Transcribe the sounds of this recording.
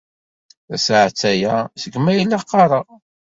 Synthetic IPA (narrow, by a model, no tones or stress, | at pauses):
θæsʕt͡sːæjæsəɡmæjilːaqːɑɾˤɑ